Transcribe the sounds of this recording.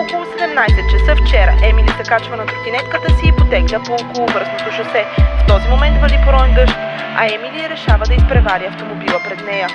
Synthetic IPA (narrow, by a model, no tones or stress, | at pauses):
okolˠʊsɛd̪ɛmnajsɛt̪̚t͡ʃɛsəft͡ʃɛɾə̰ʔɛmilʲit̪ɐkat͡ʃvənɐt̪ot̪ʲinɛt̪kət̪əsiːpot̪ɛɡlʲəpookolˠʊvɤɾsnot̪oʃɐsɛft̪ɔzimomɛnt̪vəɾd̪ipoɾɔɛnɡ̪ɤʃt̪ | ɐ̰ɛmiliɾɛʃavəd̪ɐispɾɛvaɾʲiɐft̪omobilˠəpɾɛd̪nɛjə